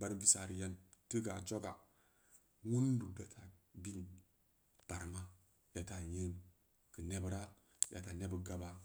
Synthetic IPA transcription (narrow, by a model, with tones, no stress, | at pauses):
ba˦ɾbi˦sa˨ɾi˨ja˦n | ti˦ɡa˨d͡ʒo˦ɡa˨ | ŋu˦n˦du˨da˨tʰa˨bi˦n˨ | b̥a˨ɾma˦ | da˨ta˨jə˦n | kə˨ne˦bɾa˦ | da˨ta˨ne˦bə˦ɡa˦ba˦